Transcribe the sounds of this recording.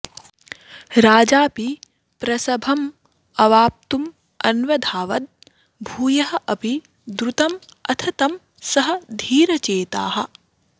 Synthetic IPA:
ɾaːd͡ʒaːpi | pɾɐsɐbʱɐm | ɐʋaːp̚t̪um | ɐ̰nʋɐd̪ʱaːʋɐt̪̚ | bʱuːjɐɦɐʔɐpi | d̪ɾut̪ɐmɐt̪ʰɐt̪ɐm | sɐɦɐ̆d̪ʱiːɾɐt͡ʃeːt̪a̰ːɦɐ̆

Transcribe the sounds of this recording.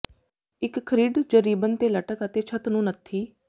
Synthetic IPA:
ɪkkʰːəɾiːɖd͡ʒəɾiːbənt̪eːləʈəkət̪eːt͡ʃʰət̪nũːnət̪ʰːiː

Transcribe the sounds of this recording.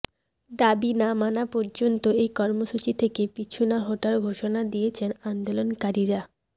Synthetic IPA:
d̪abinamanapɔɾd͡ʑont̪oejkɔɾmoʃut͡ɕit̪ʰekepit͡ɕʰunaɦoʈalɡʱoʃonad̪ijet͡ɕʰenand̪olonkaɾiɾa

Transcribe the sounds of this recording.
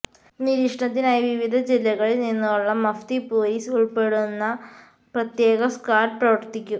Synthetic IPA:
niɾikʂɐɳɐt̪̬ːinaːjiʋiʋid̪ʱɐd͡ʑilːɐɣɐɭilninːuuɭːɐmɐft̪ipoːliːsuɭpe̞ɽunːɐ | prɐt̪jeːɡɐskaːrproʋɐrt̪ːikʲːu

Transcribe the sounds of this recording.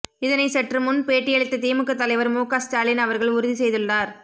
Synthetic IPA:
ɪðɐnɐɪsɐʈrɯmʊnpeːʈːɪjɐɭɪt̪ːɐt̪iːmɯkːɐt̪ːɐlɐɪʋɐɾmuːkasʈaːlɪnɐʋɐɾɣɐɭʊɾʊðisɛjðɯɭːaːɾ

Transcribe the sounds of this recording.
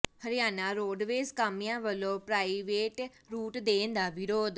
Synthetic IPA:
həɾɪjaːnãːɾoːɖʋeːskaːmijãːʋəlõːpɾaːiʋeːʈ | ɾuːʈd̪eːnd̪aːʋɪɾoːd̪

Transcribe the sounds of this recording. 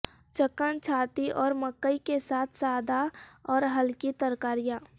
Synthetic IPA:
t͡ʃəkənt͡ʃʰaːt̪iʔɔːɾməkːəikesaːt̪ʰsaːd̪ʱaɔːɾɦəlkit̪əɾkaːɾijã

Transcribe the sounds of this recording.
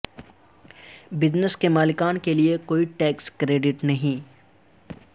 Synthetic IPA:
bɪd͡ʒnəskemaːlɪkaːnkeliekoːiʈɛːkskɾeːɖɪʈnɐɦĩː

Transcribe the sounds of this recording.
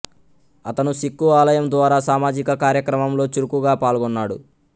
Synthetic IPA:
ɐt̪ɐnusikːuaːlɐjɐmd̪ʋaːɾaːsaːmaːd͡ʒikɐkaːɾjɐkɾɐmɐmlo̞ːt͡ʃuɾukuɡaːpaːlɡɔnːaːɽṵ

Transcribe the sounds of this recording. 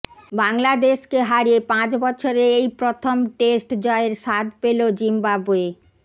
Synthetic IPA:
baŋlad̪eʃkeɦaɾiepãt͡ɕbɔt͡ɕʰoɾeejpɾot̪ʰomʈesʈd͡ʑɔeeɾʃad̪pelod͡ʑimbabue

